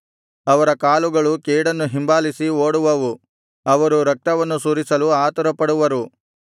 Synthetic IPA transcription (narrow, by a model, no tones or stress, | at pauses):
ɐʋɐɾɐkaːluɡɐɭukeːɽɐnːuɦimbaːlisioːɽuʋɐʋu | ɐʋɐɾuɾɐk̚t̪ɐʋɐnːusuːɾisɐluaːt̪ɐɾɐpɐɽuʋɐɾu